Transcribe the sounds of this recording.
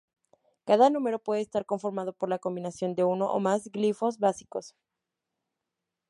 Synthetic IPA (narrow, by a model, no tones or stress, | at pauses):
kaðanũme̞ɾo̞pwe̞ð̞eːst̪aɾko̞ɱfo̞ɾmað̞o̞po̞ɾlako̞mbinasjo̞nd̪e̞uno̞ʔo̰mazɡlifo̞zβasi̥ko̞s